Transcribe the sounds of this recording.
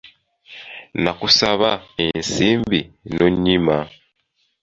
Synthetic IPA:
nakusaβaensiːmbinoɲːima

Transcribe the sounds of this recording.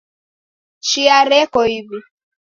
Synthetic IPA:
ʃiaɾɛkɔibi

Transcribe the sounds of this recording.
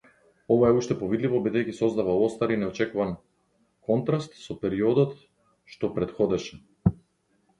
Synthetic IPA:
ɔvaɛuʃt̪ɛpɔvid̪livɔbid̪ɛjkisɔzd̪avaɔst̪aɾinɛɔt͡ʃɛkuvan | kɔnt̪ɾast̪sɔpɛɾiɔd̪ɔt̪ | ʃt̪ɔpɾɛt̪xɔd̪ɛʃɛ̥

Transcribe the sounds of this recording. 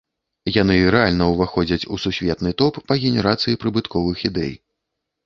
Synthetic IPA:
jan̪ɨɾɛalʲnɐwvaxɔd͡zʲɐt͡sʲususʲvʲɛt̪nɨt̪ɔpːɐɣʲɛnʲɛɾat̪sɨjipɾɨbɨt̪kɔvɨxid̪ɛ̰j

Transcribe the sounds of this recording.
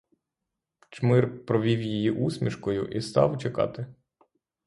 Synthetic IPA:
t͡ʃmɪrpɾɔʋʲiwjijiʔusʲmʲiʃkɔjʊ̰ʔist̪ɑ̰wt͡ʃekɑ̰t̪ɪ

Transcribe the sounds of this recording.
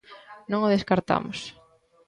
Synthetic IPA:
nõŋoðeskaɾt̪a̰mʊs

